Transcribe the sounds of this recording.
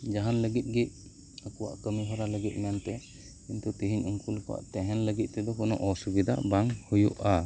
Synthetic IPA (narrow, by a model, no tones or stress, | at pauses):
d͡ʒaɦanləɡit̪̚ˀɡic̚ | əkɔwa̰ʔkəmiɦɔɾaləɡit̪̚ˀmɛnt̪ɛ | kint̪ut̪iɦiɲuŋkulkɔwa̰ʔt̪ɛɦɛnləɡit̪̚t̪ɛd̪ɔkɔnɔ̰ʔɔsubid̪ʱa̰baŋhujuʔa